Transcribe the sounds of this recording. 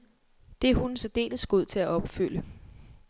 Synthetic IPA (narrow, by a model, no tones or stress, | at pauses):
d̥e̝hunsɒd̥e̝̰ːləsɡ̥o̝ð̞̰ˠt͡sʰe̝læʔɒ̽b̥fyl̰ə